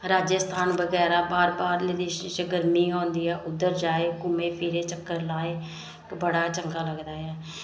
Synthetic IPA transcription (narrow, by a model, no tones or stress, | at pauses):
ɾaːd͡ʒəst̪ʰaːnbəɡɛːɾaːbaːɾbaːɾled̪ɪʃʃəɡəɾmiːɦõːnd̪iːɛːʔʊd̪ːəɾd͡ʒaːeːkʊmẽːpʰiːɾeːt͡ʃəkːəɾlaːeː | kbəɽaːt͡ʃəŋɡaːləɡd̪aːɦɛː